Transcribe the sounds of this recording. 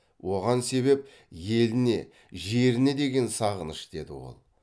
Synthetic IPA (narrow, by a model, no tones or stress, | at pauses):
wʔo̞ʁɑnse̞βe̞p̚ | je̞lɪne̞̰ | ʒe̞ɾɪne̞d̪eɡʲe̞nsɑʁənəʃd̪̥e̞d̪ɪ̰wo̞̰lˠ